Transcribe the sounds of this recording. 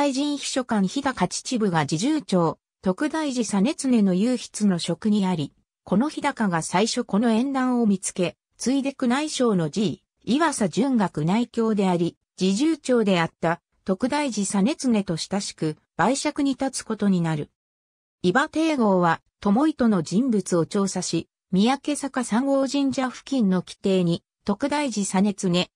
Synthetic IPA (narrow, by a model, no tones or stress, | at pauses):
iʑĩɰ̃çi̥ɕo̞kãɰ̃çid̪akat͡ɕi̥t͡ɕibɯ̟ɡad͡ʑiʑɨːt͡ɕo̞ː | t̪o̞kɯ̟d̪aiʑisane̞t͡sɨne̞no̞jɯːçi̥t͡sɨno̞ɕo̞kɯ̟ɲ̟iaɾʲi | ko̞no̞çid̪akaɡasaiɕo̞ko̞no̞ẽ̞nd̪ãɰ̃o̞mʲit͡sɨ̥ke̞ | t͡sɨid̪e̞kɯ̟naiɕo̞ːnod͡ʑiː | iβasad͡ʑɨŋɡakɯ̟naikʲo̞ːd̪e̞aɾʲi | d͡ʑiʑɨːt͡ɕo̞ːd̪e̞at̪ːa | t̪o̞kɯ̟d̪aiʑisane̞t͡sɨne̞t̪o̞ɕi̥t̪aɕi̥kɯ̟ | b̥aiɕakɯ̟ɲ̟it̪at͡sɨ̥ko̞t̪o̞ɲ̟inaɾɯ̟ | ibat̪e̞ːɡo̞ːβat̪o̞mo̞it̪o̞no̞d͡ʑĩmbɯt͡sɨo̞t͡ɕo̞ːsaɕi | mʲiake̞sakasãŋɡo̞ːʑĩɲ̟d͡ʑaɸɯ̟̥kʲĩnːo̞kʲi̥t̪e̞ːɲ̟i | t̪o̞kɯ̟d̪aiʑisane̞t͡sɨne̞